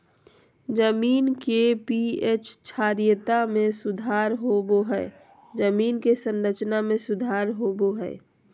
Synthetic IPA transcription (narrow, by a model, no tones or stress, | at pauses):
d͡ʒəmiːnkepiet͡ʃt͡ʃʰaːɾijət̪amẽsʊd̪ʱaːɾɦoboɦɛ | d͡ʒəmiːnkesə̃nɾət͡ʃnamẽsʊd̪ʱaːɾɦoboɦɛː